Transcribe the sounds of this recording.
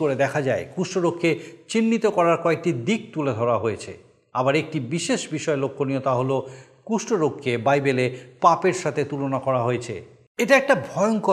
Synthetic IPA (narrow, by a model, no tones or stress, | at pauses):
oɾed̪ɛkʰad͡ʑaekuʃʈoɾokʰːet͡ɕinːit̪okɔɾaɾkɔek̚ʈid̪ik̚t̪uled̪ʱɔɾaɦojet͡ɕʰḛ | abaɾek̚ʈibiʃeʃbiʃɔelokʰːoniot̪aɦolo | kuʃʈoɾokʰːebajbelepapeɾʃat̪ʰet̪ulonakɔɾaɦoet͡ɕʰḛ | eʈaɛk̚ʈabʱɔeoŋko